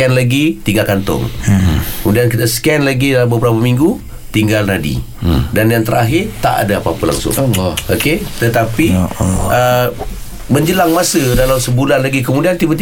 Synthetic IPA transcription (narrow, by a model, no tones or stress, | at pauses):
ɛnlaɡit̪iŋɡalkant̪ʊ̰ŋkəmudiankit̪əskɛnlaɡidalambəbəɾapamiŋɡu | t̪iŋɡalnadḭ | danjaŋt̪əɾa̰ɦɪrt̪a̰ʔa̰daapaapəla̰ŋsʊ̰ŋoket̪ət̪apiʔə | məɲd͡ʒəlaŋmasədalamsəbulanlaɡikəmudiant̪ibət̪i